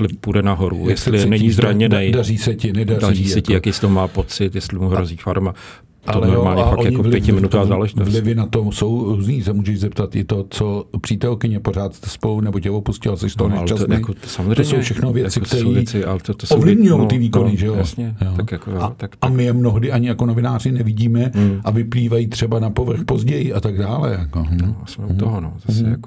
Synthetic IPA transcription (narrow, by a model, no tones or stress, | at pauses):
vlɪfpudɛnaɦoɾṵjɛslɪlɪɛnɛɲɲizɾaɲɛdnɛjdariːsɛcɪnɛdadiisɛcɪjakɛjst̪oɦomaːpot͡sɪt̪jɛslɪmuɦɾoziːfaɾma | t̪olɛomaːɲɛffaʔjaɲovlɪpjɛɪmɪnut̪aːzaːlɛʒɪtovlɪvɪnat̪omso̞wɾuzniːsɛmuːʒɛʒzɛp̚t̪at̪ʔɪt̪o̞t͡sopr̝̥iːt̪ɛlkɪɲɛpo̞r̝aːt̪st̪ɛ̥spo̞lunɛbocɛvopuscɪlasɛʃst̪olaosaozsowfʃɛxnovjɛt͡sɪkt̪ɛɾiːt͡sɪat̪osovlɪvɲujowt̪ɪviːko̞nɪʒɛjosɛjokakat̪akamɪɛmno̞ɦdɪʔaɲɪjakono̞vɪnaːrɪnɛvɪɟiːmɛʔavɪpliːvajiːt̪r̝̥ɛbanapo̞vr̩xpo̞zɟɛjɪʔat̪aɡdaːlɛ̰jakosm̩t̪oɦono̰zasɛk